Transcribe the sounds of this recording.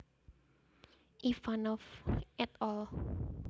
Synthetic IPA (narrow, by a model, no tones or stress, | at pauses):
ʔifanɔfʔɛt̪ɔl